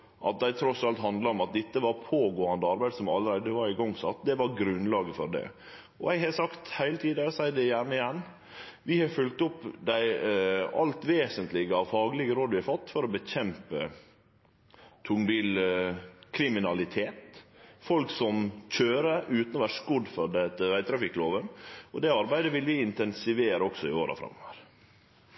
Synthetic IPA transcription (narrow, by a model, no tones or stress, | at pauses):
ʔɑ̰t̪̚d̪æɪt̪ʰɾɔsɑlt̪ɦɑnd̪lɑɔmɑt̪̚d̪ɛt̪ːəʋɑɾpʰoːɡoːɑnd̪əɑɾbæɪd̪sɔmɑlːəɾæɪd̪əʋɑɾɪɡɔŋːsɑt̪ːd̪ɛʋɑɾɡɾʉnːlɑːɡəfɔɾd̪ɛ̰ | ɔ̰æɡhɛsɑkt̪hæɪlət̪ʰiːd̪æsæɪd̪ɛɪjæɳəɪjɛnː | ʋɪhɑfʏlt̪ɔpːd̪æɪɑ̰lt̪ʋeːsənt̪lɪɡəɑʋfɑːɡəlɪɡəɾoːd̪əʋɪhɑfɑt̪ːfɔɾɔbəçɛmpə̰ | t̪ʰʊŋbiːl | kʰɾɪmɪnɑlɪt̪ʰeːt̪fɔlksɔmc͡çøːɾəʉːt̪nɔʋæʂkʊd̪fɔɾd̪ɛt̪ːəʋæɪt̪ʰɾɑfɪkːloːʋənɔd̪ɛɑɾbæɪd̪əʋɪlʋɪɪnt̪ɛnsɪʋeːɾəɔksɔɪo̰ːɾɑ̰fɾɑ̰mːɔʋəɾ